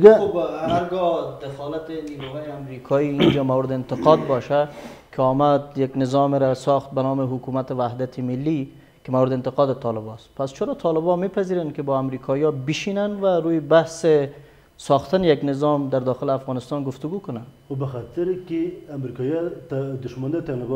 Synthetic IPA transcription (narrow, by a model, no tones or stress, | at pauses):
ɡabaɾɡɔd̪ɪxɔlat̪ɪniɾuɦɔːjeamɾikʰɔiind͡ʒamawɾɪd̪ɪɪnt̪ɪqɔd̪̚bɔʃakʰɪɔmad̪jaɡnɪzɔmɪɾasɔxt̪̚banɔmɪɦʊkumat̪ɪwahd̪at̪ʰɪmɪlːi | kɪmawɾɪd̪ɪɪnt̪ɪqɑd̪ɪt̪ʰɔlɪbɔst̪̚past͡ʃɪɾɔt̪ʰɑlɪbɔmepaziɾankɪbɔamɾikʰɑjɔbɪʃinanwaɾujbahsɪ | sɑxt̪anɪjaɡnɪzɔmd̪aɾd̪ɔxɪlɪafɣɑnɪst̪ɑnɡʊft̪ʊɡukʊnan | obɪxat̪ɪɾkɪamɾikɑjɑt̪d̪ʊʃmand̪at̪alɪb